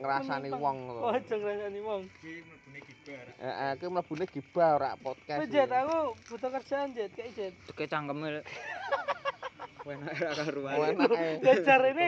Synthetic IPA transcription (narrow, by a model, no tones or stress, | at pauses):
ŋəɾasaniwɔŋt̪ḁd͡ʒ̥ɔŋəɾasaniwɔŋb̥uɡa̰ʔakimələb̥ṳneɡ̥i̤b̥a̤oɾa̰pɔt̪̚kased͡ʒɛt̪akub̥ṳt̪ɔkər̥d͡ʒ̥aːnd͡ʒɛt̪̚kad͡ʒɛt̪̚d̪ə̥ket͡ʃaŋɡəmel | wɛnaɾakaɾuawɛnɡ̥ḁd͡ʒ̥aɾene